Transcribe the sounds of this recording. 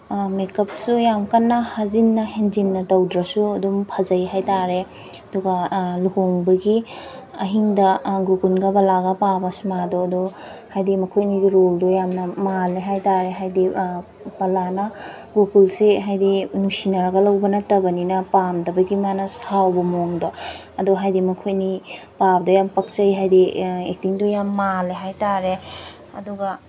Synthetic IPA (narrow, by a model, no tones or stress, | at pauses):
mekɐp̚sujamkanːɐhazinːɐɦenzinːɐtɐwdɾɐsuɐdumpʰɐzɐjɦajtaɾe | ɐduɡɐluhoŋbɐɡi | ɐɦiŋdɐɡukunɡɐbɐlaɡɐpabɐsmadoɐdɔhajdimɐkʰojniɡiɾoldojamnɐmaleɦajtaɾeɦajdi | pɐlanɐɡukulseɦajdinusinɐɾɐɡɐlɐwbɐnɐtɐbɐninɐpamdɐbɐjɡimanɐsawbɐmoŋdo | ɐdoɦajdimɐkʰojnipabdɐjampɐk̚t͡ʃɐjɦajdiek̚tiŋdojamːaleɦajtaɾe | ɐduɡɐ